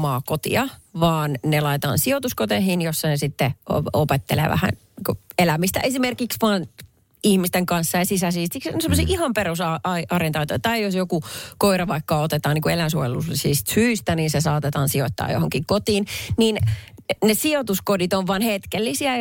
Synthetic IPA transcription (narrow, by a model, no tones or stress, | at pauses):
mɑːkot̪ḭɑʋɑːnnelɑit̪ɑ̰ːnsiot̪uskot̪ehinjosːɑnesit̪ːḛopet̪ːḛlḛːʋæ̰hæ̰n | iku | elæmist̪æ̰ʔesimerkiksʋɑːn | ihmist̪eŋkɑnsːɑjɑsisæsiːst̪ikssemːosḭːʔihɑmperusɑɑʔɑrent̪ɑːt̪oit̪ɑijosjokukoiɾɑʋɑikːɑot̪et̪ɑːniːŋkuelænsuojelussiːst̪syːst̪æninsesɑːt̪et̪ɑːnsiot̪ːɑ̰ːjo̰hoŋkiŋkot̪iːnnin | nesiot̪uskodit̪oʋːɑnhet̪kelːisiæ